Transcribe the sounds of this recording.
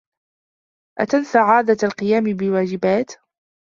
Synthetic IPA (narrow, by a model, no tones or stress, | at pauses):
ʔa̰t̪ansaʕaːd̪aalqɨjaːmɪbɪwaːd͡ʒɪbaːt̪